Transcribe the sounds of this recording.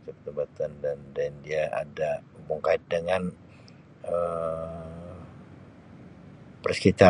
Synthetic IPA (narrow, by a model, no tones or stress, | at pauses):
t͡ʃupət̪əbat̪andandandiaʔa̰da | məŋkaɪt̪̚dəŋan | ə | pərskit̪a